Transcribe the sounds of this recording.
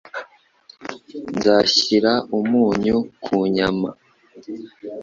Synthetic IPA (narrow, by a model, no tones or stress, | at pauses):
nzaːɕiɾaumuːɲukʰuɲama̰